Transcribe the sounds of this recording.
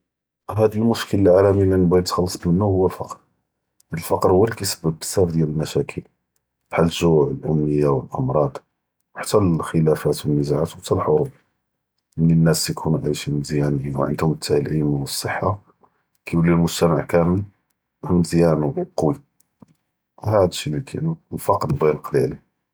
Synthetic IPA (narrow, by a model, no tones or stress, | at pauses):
hæd̪əlmʊʃkələlʕalæmilænbæjt̪xɑlːɑsˤmənːuhʊwːəlfɑqɾ | əlfɑqɾhʊwːælikæjsə̥bːəb̚ə̥sæfd̪jæləlmæʃækʰəl | bħaləʒuʕəlʔʊmːəjːawəlʔə̰mɾˤɑd̪ˤ | wħḁt̪ːælxəlæfæt̪wənːəzaʕat̪wt̪ːælħoɾˤub | ʔəninːæsjkʰunuʕajʃimənd̪jænəjinw̰ʕə̰nd̪hʊmət̪ʰːahilʔəjmawəsˤːəħːa | kæjulːilmʊʒt̪æmaʕkæməl | hmənd̪jænuqɑwi | hæd̪ʃinəkʰḭnulfɑqɾb̪ɣilqd̪iʕli